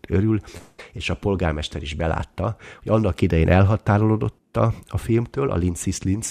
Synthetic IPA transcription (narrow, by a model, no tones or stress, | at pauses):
tøɾyleːʃɒpo̞lɡaːrmɛʃt̪ɛɾiʒbɛla̰ːt̪ːɒhoɟɒnːɒkid̪ɛjeːnʔɛlɦɒt̪aːɾolod̪o̞t̪ːɒɒfilmt̪øːlʔɒ̰linsislins